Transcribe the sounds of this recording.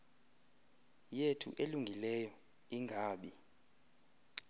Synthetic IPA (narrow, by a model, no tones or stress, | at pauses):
jetʰṵʔeluŋɡʱilɛjɔ | iŋɡʱaːɓi